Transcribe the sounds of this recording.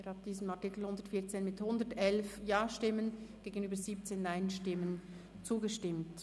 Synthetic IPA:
eːɾhɑt̚d̥iːzəmatɪkl̩hʊndətfiːt͡seːnmɪthʊndətɛlfjaːʃtɪmənɡ̥eːɡənyːbəziːp̚t͡seːnːaɪnʃtɪmən | t͡suːɡəʃtɪmt

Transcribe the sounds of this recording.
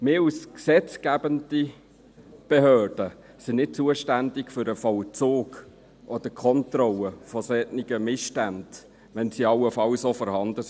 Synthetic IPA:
mɪːusksɛt͡skæbənd̥i | b̥eɦøːɹd̥ə | sɪnɪt̚t͡suəʃtændɪkfʏɾəfɔwt͡soːɡ | ʔɔd̥əkʰɔntɾɔləfɔsɛtnɪɡəmɪstænd̥ | ʋɛnsiɑwəfɑwsofɔɾhɑnd̥əs

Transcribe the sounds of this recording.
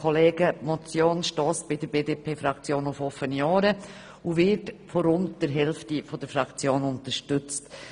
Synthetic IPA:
kʰɔleːɡəmɔt͡sjoːnʃtɔːsb̥ɪdəɾbeːdeːpʰeːfɾɑkt͡sjoːnʊfɔfənjɑːɾə | uvɪɾtfɔɾʊndd̥əɾɦɛlftifɔd̥əɾfɾɑkt͡sjoːnʊntəʃtʏt͡st

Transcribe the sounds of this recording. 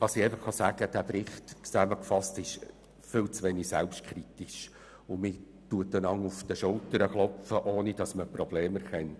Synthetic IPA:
ɑsɪɛɪfəχːɑsæɡ̥əd̥æːbɾɪχtt͡sæməkfɑstɪʃ | fɪlt͡sʋenisæ̰lpʃtkʰɾit̪iʃ | ʊmɪ | tuətdənɑŋʊfd̥əʃʊltəɾəχlɔfəʔoːnid̥ɑsməprɔb̥leːmæɾχɛnt

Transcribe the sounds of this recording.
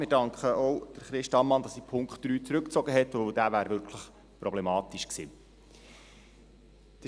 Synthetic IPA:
mɪdɑŋkχəɔwd̪̥əɾχɾɪʃtɑnmɑnd̥̪ɑsipʰʊŋkχtːɾyːt͡sɾɵkt͡sɔɡəɦɛt̪oʊd̥̪æːvæːɾvʏɾkʰləχ | pɾrɔblɛmɑːt̪iʃksḭː | d̥ə

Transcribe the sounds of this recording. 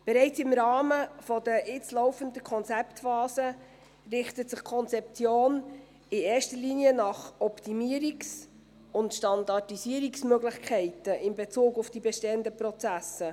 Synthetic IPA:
b̥ɛɾɛɪt͡sɪmɾɑːməfɔdəʔɪt͡slɔwfəndəkʰɔnt͡sɛptfɑːzə | rɪχtətsɪχkʰɔnt͡sɛp̚t͡sjoːn | ɪeːʃtəliːniənɑχɔptimiəɾiks | ʊntʃtɑndɑtisiəɾiksmøɡlɪχkʰɛɪtəʔɪnbɛt͡suːɡʊfd̥ibɛʃtɛəndəprɔt͡sæsə

